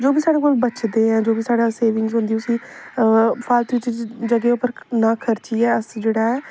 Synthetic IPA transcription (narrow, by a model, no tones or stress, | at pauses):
d͡ʒoːbiːsaːɽeːkoːlbət͡ʃd̪eːɦɛ̃ːd͡ʒoːbiːsaːɽaːseːʋɪ̃ŋɡzɦʊ̃nd̪iːʊsĩː | pʰaːlt̪eɪt͡ʃd͡ʒəɡeːʊpəɾnãːkʰəɾt͡ʃiːɛːəsd͡ʒeːɽaːɛː